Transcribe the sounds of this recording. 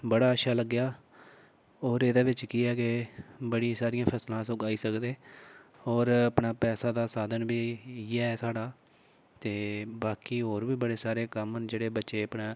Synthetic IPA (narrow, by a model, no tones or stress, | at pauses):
bəɽaːəʃʰaːləɡːjaː | oːɾeːd̪aːʋɪt͡ʃkiːɛːkebəɽĩsaːɾɪjãːpʰəslãːsʊɡaːiːsəkd̪eː | oːɾəpɳaːpɛːsaːd̪aːsaːd̪ənbiːiaːɛsaːɽaː | t̪eːbaːkiːɦoːɾbiːbəɽeːsaːɾeːkəmənd͡ʒeːɽeːbətːʃeːəpnãː